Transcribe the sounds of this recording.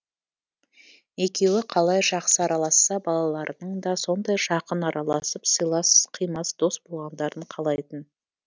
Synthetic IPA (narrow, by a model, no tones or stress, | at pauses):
e̞kʲe̞wɪqʰɑlˠɑjʒɑqsəɑɾɑlˠɑsːɑbɑlˠɑlˠɑɾənəɴd̪ɑso̞nd̪ɑjʒɑqənɑɾɑlˠɑsəpsəjlˠɑsqʰijmɑsd̪̥o̞sb̥o̞lˠʁɑnd̪ɑɾəɴqʰɑlˠɑjt̪ən